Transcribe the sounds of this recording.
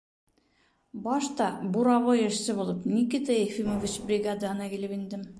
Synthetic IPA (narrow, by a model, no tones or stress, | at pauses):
bɑʃt̪ɑbuɾɑβojɘ̆ʃsɘbulˠɤpnikɘt̪æefimovʲit͡ɕbrʲiɡad̪anɑkilɘpind̪ɘm